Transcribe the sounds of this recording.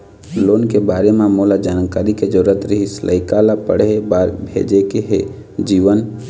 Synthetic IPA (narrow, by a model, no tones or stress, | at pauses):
loːnkebaːɾemẽmolad͡ʒaːnkaːɾiked͡ʒəɾuət̪ɾəɦislʔə̰ɪkalapəɽebaɾbʱḛd͡ʒekeɦe | d͡ʒiːʋən